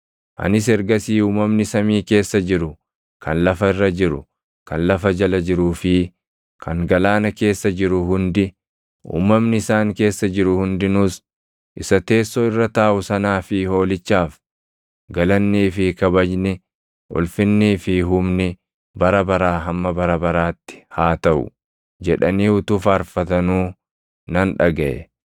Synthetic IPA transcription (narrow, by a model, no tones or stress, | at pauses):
ʔɐ̰nɪs̬ɛɾɡɐsiːuːmɐmnɪsɐmiːke̞ːsːɐd͡ʒɪɾʊ | kʰɐnlɐfɐɪrːɐd͡ʒɪɾʊ̰ | kɐnlɐfɐd͡ʒɐlɐd͡ʒɪɾuːfɪ | kʰɐŋɡɐlaːnɐke̞ːsːɐd͡ʒɪɾʊɦʊnd̪ɪ | ʔṵːmːɐmnɪɪsaːŋke̞ːsːɐd͡ʒɪɾʊhʊnd̪ɪnʊs | ʔɪsɐt̪e̞ːsːoːɪrːɐt̪aːʔʊsɐnaːfɪho̞ːlɪt͡ʃːaːf | ɡɐlɐnːiːfɪkɐbɐd͡ʒnɪ | ʔʊ̰lfɪnːiːfɪɦʊmnɪ | bɐɾɐbɐɾaːɦɐmːɐbɐɾɐbɐɾaːt̪ːɪ̥haːt̪ɐʔʊ̰ | d͡ʒɛᶑɐniːʊt̪uːfɐːɾfɐt̪ɐnuː | nɐnᶑɐɡɐʔɛ̰